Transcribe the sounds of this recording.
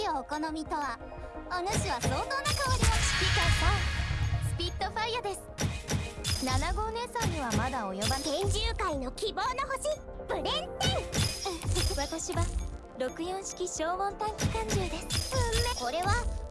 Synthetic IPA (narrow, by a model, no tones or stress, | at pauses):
oːko̞nomʲit̪o̞βa | onoɕiβaso̞ːt̪o̞ːnakaoɾʲioɕi̥kʲikat̪asɨ̥pʲit̪ːo̞ɸaiːad̪e̞sɨ̥ | nanaɡo̞ːnẽ̞ɰ̃sãɲ̟ːiβamad̪ao̞jobakẽ̞ɲd͡ʑɨːkaino̞kʲibo̞ːnoɦoɕi | bɯ̟nẽnt̪e | βat̪oɕiba | ɾo̞kɯ̟jõ̞ɕi̥kʲiɕo̞ːmõ̞nt̪ãikʲi̥kãɲ̟d͡ʑɯːd̪e̞sɨ̥ɯmːeko̞ɾe̞βa